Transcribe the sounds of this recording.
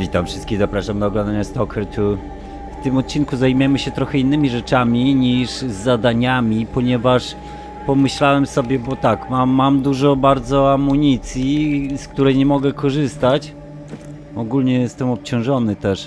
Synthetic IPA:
vʲit̪amfʂɘst̪kʲiɣzapɾaʂamd̪aɔɡlɔnd̪aɲast̪ɔkɛt̪ʰu | ft̪ɘmɔt̪̚t͡ɕinkuzajmjɛmɘɕɛt̪ɾɔxɛinːɘmʲiʐɛt͡ʂamʲiɲiʐzːad̪aɲamʲipɔɲɛvaʂ | pɔmɘɕlawɛmsɔbʲjɛbɔt̪akmaːamd̪uʐɔbaɾd̪zɔamuɲit̪sʲjiskt̪uɾɛjɲɛmɔɡɛkɔʐɘst̪at͡ɕ | ɔɡulɲɛjɛst̪ɛmɔp̚t͡ɕɔ̃w̃ʐɔnɘt̪ɛʂ

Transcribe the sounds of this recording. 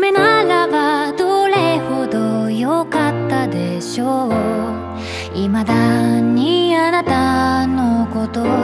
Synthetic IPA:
menaɾabad̪oɾe̞ho̞d̪ojokat̪ːad̪e̞ɕo | imad̪aɲ̟ianat̪anoko̞t̪o

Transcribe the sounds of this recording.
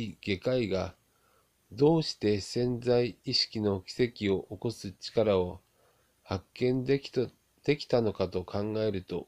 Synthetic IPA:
iɡ̥e̞kaiɡa | d̪o̞ːɕi̥t̪e̞sẽ̞nd͡zaiiɕi̥kʲino̞kʲi̥se̞kʲio̞ʔoko̞sɨt͡ɕi̥kaɾao̞ | hakːẽ̞n | d̪̥e̞kʲi̥t̪ano̞kat̪o̞kʰãŋɡae̞ɾɯ̟t̪o̞̰

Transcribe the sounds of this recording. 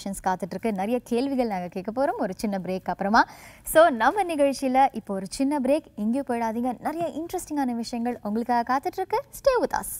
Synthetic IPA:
ʂɐnskaːt̪ːɯʈːɪɾɯkːɯnɐɾɐjɐkeːɭʋɪɣɐɭnaːŋɡɐkeːʈkːɐpːoːɾomɔɾɯt͡ʃɪnːɐbɪɾeːkːɐpːɯɾɐmaːsoːnɐmːɐnɪɣɐɻt͡ʃɪjɪlɐʔɪpːoːɔɾɯt͡ʃɪnːɐbɪɾeːkɪŋɡjepoːɽaːðiːŋɡɐnɐɾɐjɐʔɪɳʈɾɛsʈɪŋɡaːnɐʋɪʂɐjɐŋɡɐɭʊŋɡɐɭɯkːaːɣɐkaːt̪ɯʈːɪɾɯkːɯsʈeːʋʊt̪ːa̰ːs

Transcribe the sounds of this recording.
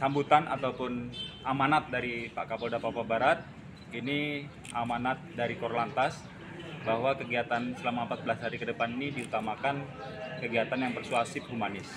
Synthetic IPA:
sambut̪ana̰t̪awpʊnʔamanat̪̚daɾipa̰kapodapapabaɾat̪̚ | ini | amanat̪̚daɾikɔɾlant̪as | baɦwakəɡiat̪ansəlamaəmpat̪̚bəlashaɾikədəpaninidiut̪amakan | kəɡiat̪anjaŋpərsuasɪp̚humanɪs

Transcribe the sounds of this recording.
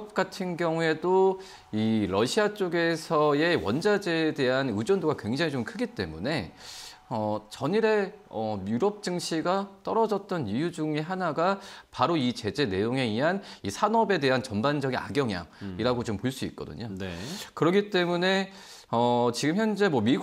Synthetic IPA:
p̚k͈atʰɯnɡjʌŋue̞do | iɾʌɕʰiat͡ɕ͈oɡe̞sʰʌe̞wʌ̰nd͡ʑad͡ʑe̞de̞ɦanɯd͡ʑʌndoɡakwe̞ŋd͡ʑaŋit͡ɕomkʰɯɡit͈e̞̰mune̞ | ʌt͡ɕʌɲiɾe̞ʌmjuɾʌp̚t͡ɕ͈ɯŋɕʰiɡat͈ʌɾʌd͡ʑʌt̚t͈ʌnijud͡ʑuŋe̞ɦanaɡapaɾoit͡ɕe̞d͡ʑe̞ne̞joŋe̞iɦanisʰanʌbe̞de̞ɦant͡ɕʌnband͡ʑʌɡina̰ɡjʌŋja̰ŋiɾaɡot͡ɕompoɭs͈uḭt̚k͈ʌdɯ̰ɲonekɯɾʌɡit͈e̞mune̞ | ʌt͡ɕiɡɯmçjʌnd͡ʑe̞mwʌmi

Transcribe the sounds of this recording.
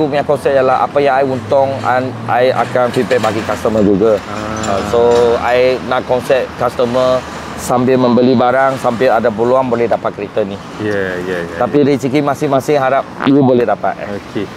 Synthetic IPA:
umjakɔnsɛt̚jalaɦʔa̰pajaŋajunt̪ɔŋanʔajʔa̰kanfipɛʔbaɡikast̪əməd͡ʒuɡa | soajnãʔ̚kɔnsɛt̚kast̪əmə | sampɪlmə̃mbəlibaɾaŋsampɪladap̬əluanbolɛhdapat̪̚kəɾit̪ani | jajaj̪apidiit͡ʃikimãsɪhmasɪŋɦaɾap̚iəbolɛhdapa̰t̪̚oke

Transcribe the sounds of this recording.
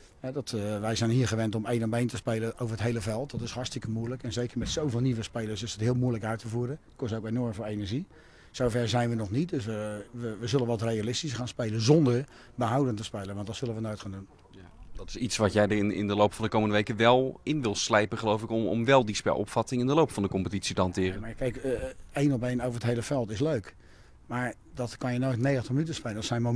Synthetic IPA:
hɛdɔtʋɛjzɛjnɦiːəɹχəʋɛntɔmejnɔbejntəspejləʔowvəɹətɦejləvɛlˠtdɔtɪshɑtstɪkəmuələkɛnzejkəɹmɛtsowvɪːlˠniʋəspejləsɪsətɦɪəlˠmuələkœɥtʰəvuːɾə | kɔstowkenɔɹmvoːenəɹʒi | sowvɛrzɛjnʋənɔχnit̚døsʋəʋəʋəzɵlənʋɔtrejalɪstisχaːnspejlənzɔndəɹ | bəɦawdəntəspejlˠənʋɑntdɔtsɵlənʋənojtxχaːndun | dɑtɪ̥sitsʋɑtjɛjdəɪnɪ̰ndəlowpfɑndəkowməndəʋejkəʋɛlˠɪnʋɪlˠslɛjpəχəlowfɪkmʋɛlˠdispɛ̰lˠʔɔ̰pfɑtɪŋɪndəlowpfɑndəkɔmpətitsitəɦɑntɪːrəmakɛjkejnɔpejnowvəɹətɦejləfɛlˠtɪsløɥk | maːɹ | dɔtkɑnjənojtneːətəmytəspejləndɔtsɛjnmo

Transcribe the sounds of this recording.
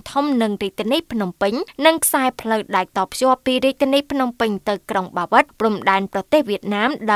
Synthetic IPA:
t̪ʰumnɨŋriəc̚t̪ʰːiəniːpʰnumpɨɲnɨŋkʰsaɛpʰləwɗaɛk̚t̪ɑːpʰjŏəpːiːriəc̚t̪ʰiniːpʰnumpɨɲt̪ɨwkroŋɓaːʋɨt̪̚pruəmɗaɛnprɑt̪eːhʋiət̪̚naːmɗa

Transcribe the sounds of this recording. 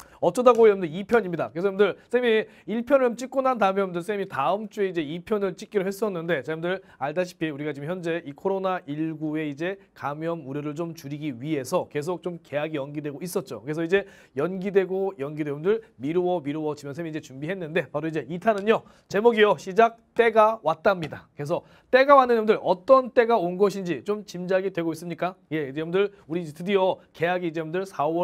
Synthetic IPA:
ʌt͡ɕ͈ʰʌdaɡojʌmndɯipʰjʌɲimɲidakɯɾesʰʌbundɯɭsʰemi | iɭpʰjʌnɯomt͡ɕ͈ik͈̚unɦantaɯmjʌmndɯɭs̬ʰemitaɯmt͡ɕ͈ue̞id͡ʑe̞ipʰjʌnɯɭt͡ɕ͈ik͈̚iɾɯɦe̞s͈ʌnːɯnde̞t͡ɕaundɯɾaɭdaɕʰi̥pʰiuɾiɡat͡ɕiɡɯmçjʌnd͡ʑe̞ʔikʰoɾonaʔiɭɡue̞id͡ʑe̞kamjʌmuɾjʌɾɯɭt͡ɕomt͡ɕuɾiɡiɥiɦe̞sʰʌke̞s̬ʰok̚t͡ɕ͈omke̞aɡiʌnɡidwe̞ɡois͈ʌt̚t͡ɕ͈o̰kɯɾesʰʌid͡ʑe̞ | jʌnɡidwe̞ɡojʌnɡideundɯɭmiɾuwʌmiɾuwʌt͡ɕimjʌnsʰemiid͡ʑe̞t͡ɕumbiɦe̞nːɯnde̞paɾoid͡ʑe̞itʰanɯɲo | t͡ɕe̞moɡijoɕʰid͡ʑak̚t͈e̞ɡawat͈̚amɲidakɯɾe̞sʰʌ | t͈e̞ɡawanːɯnʌndɯɭʌt͈ʌnt͈e̞ɡaonɡʌɕʰind͡ʑit͡ɕomt͡ɕimd͡ʑaɡidwe̞ɡois͈ɯmɲik͈ajeid͡ʑeumndɯɾuɾid͡ʑetɯdiʌke̞jaɡiːd͡ʑeumndɯɭsʰawʌ

